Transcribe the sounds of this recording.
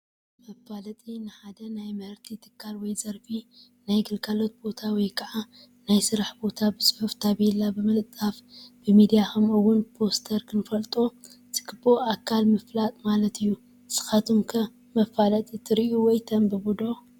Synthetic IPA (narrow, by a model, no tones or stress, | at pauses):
mɐfalɐt̪ʼinɨħad̪ɐnajmɐɾt̪ʰit̪ʰɨ̥kʰːalwɔjzɐɾfi | najɡɨlkʰʼalo̞t̪̚bo̞t̪ʰawɔjkʰɐʕa | najsɨɾaħbo̞t̪ʰabɨsɨħuft̪ʰaβelabɨmɐt̪ʼːafbɨmid̪ijaxɐmɨwːʊnpʰo̞st̪ʰɐɾkʰɨnfɐlt̪ʼo | t̪ʰɨ̥kʰɨboakʰːalmɨflat̪ʼmalɐt̪ʰɨjːu | sɨ̥xat̪ʰumkʰɐ | mɐfalɐt̪ʼit̪ʰɨɾiʔuwɔjt̪ʰɐmbɨbud̪o